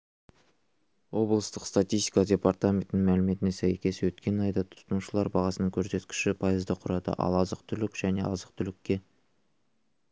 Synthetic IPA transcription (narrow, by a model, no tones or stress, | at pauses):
wo̞blˠəst̪əqst̪at̪ʲijst̪ʲi̥kadʲe̞part̪amʲe̞nt̪ɪnŋmælɪme̞t̪ɪnesæjkʲʰe̞sɪwɵt̪kʲe̞nɑjd̪ɑt̪ʰʊ̥səmuʃəlˠɑɾbɑʁɑsənəŋkʲʰɵɾse̞t̪kʲɪ̥ʃɪpʰɑjəzd̪ɑqʰʊɾɑd̪ə̰ʔɑ̰lˠɑzəq̚t̪ʰʏlɪkʒ̥æne̞ʔɑzəq̚t̪ʰʏlɪkʲːe̞